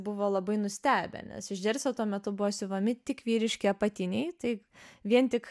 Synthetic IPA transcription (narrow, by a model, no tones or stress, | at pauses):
bʊʋoːlˠɐbɐɪnʊsʲt̪ʲæːbʲɛ̰nʲɛ̰sɪʒʲd̪ʲɛɾʲsʲoːt̪uɔmʲɛt̪ʊbʊʋoːsʲɪʋɐmʲɪt̪ʲɪkʋʲiːɾʲɪʃʲkʲɪɐpɐt̪ʲɪnʲɛɪt̪ɐɪ | ʋʲiɛnt̪ʲɪk